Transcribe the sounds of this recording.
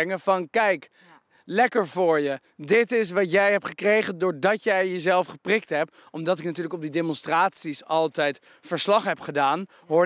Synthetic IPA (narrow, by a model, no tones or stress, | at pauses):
ŋəvɑnkɛjk | lɛkəɹvʊːɹjə | dɪtɪs̬ʋɑtjɛjɦɛptχəkrejχəndʊːɹdɑtjɛjjəzɛlˠfχəprɪk̚tɦɛp̚ | ɔmdɑtɪknatyːɹləkɔb̚didemɔnstraːtsisɑlˠtɛjt | fəɹslɑχɦɛpχədaːn | ɦʊːɹ